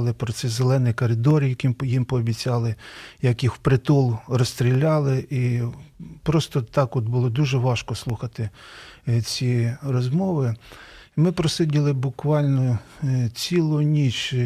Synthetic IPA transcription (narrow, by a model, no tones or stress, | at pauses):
lˠɪpɾɔsɛzelˠɛnɪjkɔɾɪd̪ɔrjɐkʲimjimpɔːbʲit͡sʲɑlˠɪjɐkjixwpɾɪt̪ulˠrɔst̪ɾʲilʲːɑlˠɪʔi | pɾɔst̪ɔt̪ɑkɔd̪bʊlˠɔd̪uʒɛʋɑʃkɔslˠuxɐt̪ɪ | t͡sʲirɔzmɔʋɪ | mɪpɾɔsɪdʲilˠɪbʊkʋɑlʲnɔ | t͡sʲilˠʊnʲit͡ʃ